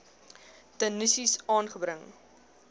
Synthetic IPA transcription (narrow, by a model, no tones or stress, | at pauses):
tənisisɑːnχəbɾəŋ